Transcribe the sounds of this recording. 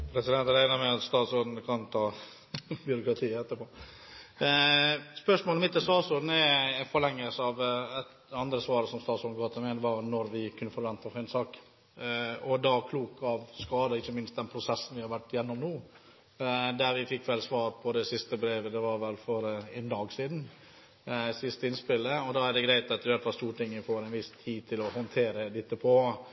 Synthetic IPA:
pʰɾɛsɪd̪ɛnt̪ɾæɪnəmɛɑt̪st̪ɑːt̪sɔd̪n̩kʰɑnt̪ʰɑː | bjʏɾʊkɾɑt̪ʰiːɛt̪ːəɾpʰoː | spœʂmoːlmɪt̪ːəst̪ɑːsɔd̪n̩ɛɛnfɔɾɭɛŋːəlsəɑʋɛt̪ | ɑnd̪ɾəsʋɑːɾəsɔmst̪ɑːt̪sɔd̪ɡɑːt̪ɪlmɛɪd̪ɛʋɑnɔɾʋɪkʰʉnːəfɔɾʋɛnt̪əfɪnsɑːk | ɔd̪ɑkʰluːkɑʋskɑːd̪əɪçːəmɪnst̪̚d̪ɛnpʰɾʊsɛsːn̩ʋɪhɑɾʋæʈːɪjɛnːɔmnoː | d̪æɾʋɪfɪkːʋɛlsʋɑːɾpʰɔd̪ɛsɪst̪əbɾeːʋəd̪ɛʋɑɾʋɛlfɔɾɛnd̪ɑːɡsiːd̪n̩ | sɪst̪əɪnspɪlːəɔd̪ɑːæɖ̪ɛɡɾæɪt̪ɑt̪ɪʋælt̪ʋɑst̪uːʈɪŋːəfoːɾɛnʋɪst̪ʰiːt̪ʰɪlɔhɔnt̪ʰeːɾəd̪ɪt̪ːəpʰɔ

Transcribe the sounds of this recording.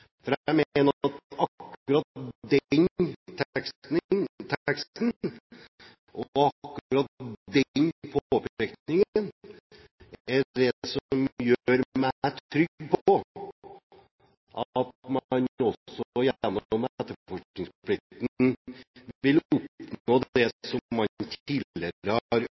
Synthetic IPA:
fɔɾææmeːnəɑt̪ɑkːʉɾɑt̪d̪ɛnt̪ʰksnt̪ʰksn | ʔɔɑkːɾɑt̪̚d̪ɛnpʰoːpʰɛkt̪nɪŋn | æɖɛsɔɔmjøːɾmæʈt̪ʰːɾʏɡpʰɔ | ʔɑt̪mɑnɔsːɔjænɔmɛt̪ːəfɔʂnɪŋsplɪk̚t̪n | ʋɪlʊpnoːd̪ɛsɔmːɑnt̪ʰiːlɪəɾəhɑɾ

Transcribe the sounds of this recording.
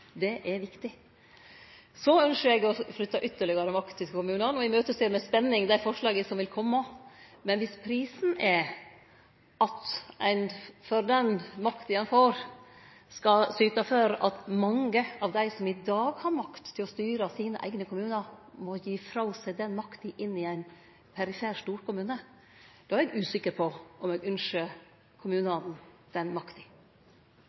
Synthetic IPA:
d̪ɛʔɛɾʋɪkt̪ɪ | sɔœnʃəɾɛɡɔflʏt̪ːɑʔʏt̪ːəɭɪɡɑɾəmɑkt̪ʰːɪlkʰʊmʉːnɑnɔɪmøːt̪əseːɾmɛspɛnːɪŋd̪æɪfɔʂɭɑːɡəsɔmʋɪlkʰɔmːɑmɛnʋɪspʰɾiːsn̩ɛ | ʔɑt̪æɪnfɔɾd̪ɛnmɑkt̪ɪjɛnfoːɾ | skɑsyːt̪ɑføːɾɑt̪mɑŋəɑʋd̪æɪsɔmɪd̪ɑːɡhɑɾmɑkt̪ʰːɪlɔst̪yːɾəsiːnə̰ʔæ̰ɪɡnəkʰʊmʉːnəmɔjiːfɾɑʊsæɪd̪ɛnmɑkt̪ɪʔɪnːɪæɪn | pʰɛɾɪfæːʂʈuːɾkʊmʉːnə | d̪̥ɑːæɾɛɡʉːsɪkːəɾpʰɔʔɔmɛɡʉnʂə | kʰʊmʉːnɑnn̩d̪̥ɛnmɑkt̪ɪ̥

